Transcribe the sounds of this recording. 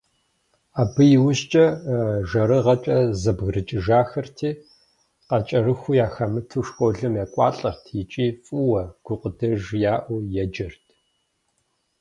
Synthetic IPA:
aːbɨjɪwʊɕt͡ʃʼɐʒɐɾɨʁɐt͡ʃʼɐzɐbɣrɨt͡ʃʼɪʒaːxɐrtʰiː | qɐt͡ʃʼɐrɨxʷujaːxɐmɨtʰuʂxʷʼoɮɨmjaːkʷʼɑ̰ːɬʼɐrtʰjɪt͡ʃʼiːfʼɨwɐɡ̥ʷʊqʼədɐʒjaːʔʷʊjɛd͡ʒɐrtʰ

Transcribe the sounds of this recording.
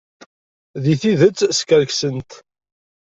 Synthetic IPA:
ðiθiðət͡sːskəɾksənt̪

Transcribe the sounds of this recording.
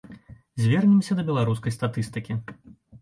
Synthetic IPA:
zʲvʲɛrnʲɛmsʲɐd̪ɐbʲɛlˠaɾus̬kɐjst̪at̪ɨst̪ɨkʲi

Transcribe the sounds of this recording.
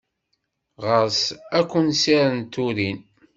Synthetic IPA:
ʁəɾsækʷːənsiɾənt̪uɾin

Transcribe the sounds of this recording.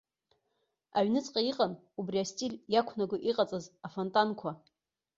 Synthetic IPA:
a̰ɥnɨt͡sʼqʼaiqʼan | ubriastʼiljakʷʰnaɡʷʊʔiqʼat͡sʼazafontʼankʷʰa

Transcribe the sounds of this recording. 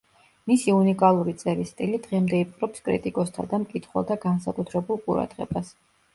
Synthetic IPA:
misiunikʼalˠuɾit̪sʼɛɾist̪ʼilid̪̥ʁɛmd̪ɛipʼqʼɾɔpskʼɾḭt̪ʼikʼɔst̪ʰa̰d̪amkʼit̪ʰχwɛ̰lˠt̪ʰaɡansakʼut̪ʰɾɛbulˠqʼuɾa̰d̪̥ʁɛ̰bas

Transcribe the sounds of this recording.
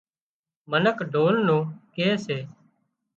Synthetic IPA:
mənəkɖʱoːlnũːkeːseː

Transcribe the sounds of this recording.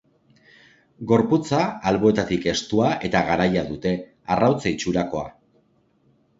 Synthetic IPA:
ɡo̞ɾput͡saːlβo̞e̞t̪at̪ike̞st̪uaʔe̞t̪aɣaɾajaðut̪e̞ | arawt͡sait͡ʃuɾako̞a̰

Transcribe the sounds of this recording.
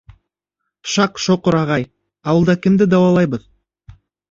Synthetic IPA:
ʃɑqʃoqəɾɑʁɑj | ɑwɤlˠd̪ɑkɪ̆md̪ɘd̪ɑwɑlˠɑjbɤð

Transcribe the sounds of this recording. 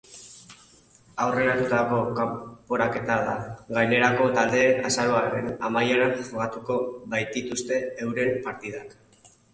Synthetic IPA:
awre̞ɾat̪ut̪ako̞kampo̞ɾake̞t̪aða̰ɡajne̞ɾako̞t̪ald̪e̞ːnasaɾo̞aɾenamajeɾanʝoɣat̪uko̞βajt̪it̪ust̪e̞ːwɾe̞mpaɾt̪ið̞ak

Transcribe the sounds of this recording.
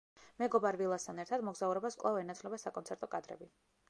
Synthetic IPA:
mɛɡɔbaɾvilˠast̪ʰanɛɾt̪ʰad̪mɔɡzauɾɛbaskʼlˠavɛnat̪sʰlɛbasakʼɔnsɛɾt̪ʼɔkʼad̪ɾɛ̰bi

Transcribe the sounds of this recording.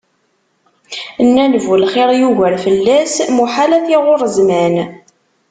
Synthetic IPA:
nːælvulχeɾjuʝəɾfəlːæsmuħalæθiʁʊɾˤəzmæn

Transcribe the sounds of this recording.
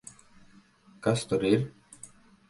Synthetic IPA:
kast̪ɔɾiɾ

